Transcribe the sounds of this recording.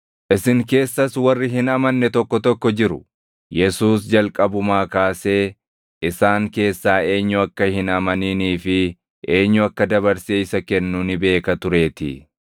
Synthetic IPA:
ʔɪsɪŋke̞ːsːɐswɐrːɪɦɪnɐmɐnːɛt̪ɔkːɔt̪ɔkːɔd͡ʒɪɾʊ | jɛsuːsd͡ʒɐlkʼɐbʊmaːkaːse̞ː | ʔɪsaːŋke̞ːsːaːe̞ːɲːʊɐkːɐhɪnɐmɐniːniːfɪ | ʔeːɲːʊɐkːɐd̪ɐβɐɾseːɪsɐkɛnːuːnɪbe̞ːkɐt̪ʊɾe̞ːt̪ɪ̰

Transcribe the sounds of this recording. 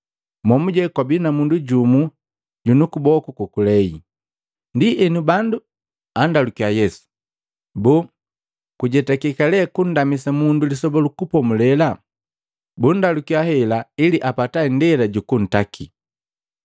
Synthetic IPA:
mɔmuɟɛkwabinamunduɟumu | ɟunukubɔkukukulɛi | ndiʔɛnubandu | andalukiajɛsu̥ | bu | kuɟɛtakikalɛkun̩damisamundulisɔbɔlukupɔmulɛla | bun̩dalukiahɛlailiʔapatandɛlaɟukun̩takʰi

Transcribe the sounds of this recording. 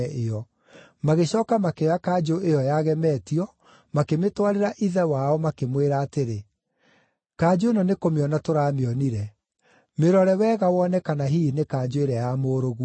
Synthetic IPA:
ʔeɔ | maɣeɕɔːkamakeɔakaːd͡ʒoʔejɔjaɣɛmɛːtiɔ | makemetwaɾeɾaʔiðɛwaɔmakemweɾaːteɾe | kaːd͡ʒoenɔnekomeɔnatoɾaːmeɔniɾɛ | meɾɔɾɛwɛɣawɔnɛkanaɦinekaːd͡ʒoeɾɛjamoːɾoɣu

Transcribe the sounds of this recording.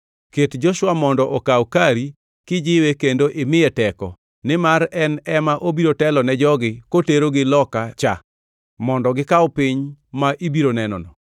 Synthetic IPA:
ketd͡ʒɔʃwamɔndɔʔɔkawkaɾi | kɪd͡ʒɪwekendoʔɪmɪɛtɛkɔ̰ | nɪmaɾɛnɛmaʔobiɾotɛlɔnɛd͡ʒɔɡɪkoteɾoɡɪlɔkat͡ʃa | mɔndɔɡɪkaɔpɪɲmaʔibiɾonɛnɔ̰nɔ

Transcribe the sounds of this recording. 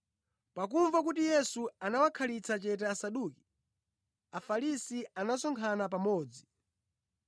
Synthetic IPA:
pak̬uɱvak̬utijɛsuanawakʰalit͡sʰat͡ʃɛtɛːsaɗuːki̥ | afalisianasɔŋkʰanap̬amɔːd͡zi

